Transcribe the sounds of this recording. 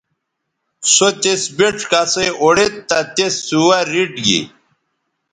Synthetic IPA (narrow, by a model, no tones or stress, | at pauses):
sot̪esbeʈ͡ʂkaseoɽet̪ːɐt̪esuwaɾiɖɡḭ